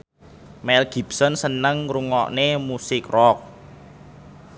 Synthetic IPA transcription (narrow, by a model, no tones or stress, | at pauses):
mɛlɡ̥i̤bsɔnsənəŋɾuŋɔ̰ʔnemusɪkrɔk̚